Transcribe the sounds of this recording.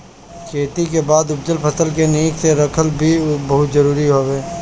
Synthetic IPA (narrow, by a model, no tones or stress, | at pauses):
kʰeːt̪ikebaːd̪ʊp̚d͡ʒ̪əlpʰɐsəlkeniːkseɾɐkʰəlbʱibɐɦʊt̪zɐɾuːɾiɦoːʋeː